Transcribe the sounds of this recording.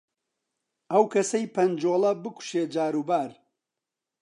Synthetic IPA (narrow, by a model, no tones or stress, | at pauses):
ʔɐwkʰɐsɐjpʰɐnd͡ʒoːlˠɐbɨku̥ʃeːd͡ʒaːɾuːbaːɾ